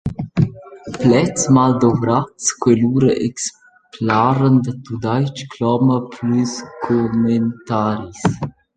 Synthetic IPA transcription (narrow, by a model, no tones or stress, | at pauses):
plɛt͡smald̪ovɾatskweluːɾəʔeks | plaːɾənd̪ət̪ud̪ajt͡ʃkʰlɔməpʰlyskʰoment̪aːɾis